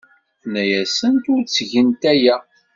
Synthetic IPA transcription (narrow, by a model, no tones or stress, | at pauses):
næjæsənt̪ʊɾt͡sːʝənt̪æjæ